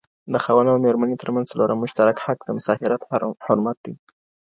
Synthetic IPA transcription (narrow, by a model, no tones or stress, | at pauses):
d̪əxawanawmeɾmanet̪əɾmanzaloɾamːʊʃt̪aɾakhakd̪əmʊsɑfɪɾat̪hʊɾmat̪̚d̪i